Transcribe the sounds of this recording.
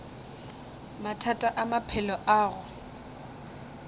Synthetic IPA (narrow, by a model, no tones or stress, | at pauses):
matʰatʼaʔamapʰɛlɔʔaːɣʊ